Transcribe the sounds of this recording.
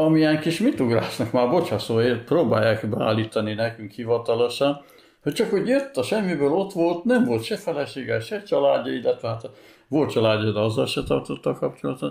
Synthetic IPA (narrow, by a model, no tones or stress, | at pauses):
ɒmiɛŋkiʃmit̪uɡra̰ːsnɒkmaːrbo̞chɒsoːeːproːbaːjːaːkbɛa̰ːlːiːt̪ɒninɛkyŋkhivɒt̪ɒlo̞ʃɒn | hoct͡ʃɒkhoɟjøt̪ːɒʃɛmːibøːlo̞t̪ʋo̞lt̪nɛɱvo̞lt̪ʃɛfɛlɛʃeːɡɛʃɛt͡ʃɒlaːɟːɒilːɛt̪ʋɛɦat̪ | ʋo̞lt̪̚t͡ʃɒlaːɟːɒd̪ɛɒzːɒlʃɛt̪ɒ̰rt̪ot̪ːɒkɒpt͡ʃolɒt̪ot̪